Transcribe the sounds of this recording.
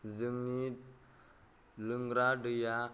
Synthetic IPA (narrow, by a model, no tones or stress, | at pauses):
d͡zəŋnit̪ | ləŋɡɾaɖija